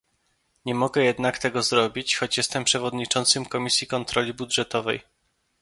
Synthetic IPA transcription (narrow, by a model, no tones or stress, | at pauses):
ɲɛmɔɡɛjɛd̪nakt̪ɛɡɔzɾɔbʲit͡ɕxɔt͡ɕjɛst̪ɛmpʂɛvɔd̪ɲit͡ʂɔnt̪sɘmkɔmʲisʲjikɔnt̪ɾɔlʲibudʐɛt̪ɔvɛ̰j